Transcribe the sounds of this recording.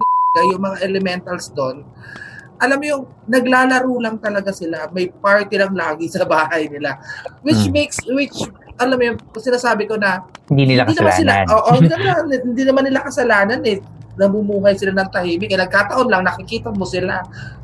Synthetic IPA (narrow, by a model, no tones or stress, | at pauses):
ɐɐɡajʊŋmɐŋaʔɛlɛmɛnt̪ɐlsd̪on | ʔɐlamjʊŋ | nɐɡlaːlɐɾuːlɐŋt̪ɐlɐɡasɪlamɐjpaɹt̪ilɐŋlaːɡɪsɐbaːhɐjnɪlawɪt͡ʃmekswɪt͡ʃ | ʔɐlamjʊŋsɪnaːsaːbɪko̞nɐnd̪inɪnd̪inɐmansɪlaʔoːʔoɪninmaanɪnd̪inɐmanːɪlakɐsɐlaːnɐnɛ | nɐmʊmuːɦɐjsɪlanɐŋt̪ɐhiːmɪkɐnɐɡ̚kaːt̪ɐʔo̞nlɐŋnɐkɪkiːt̪ɐmosɪla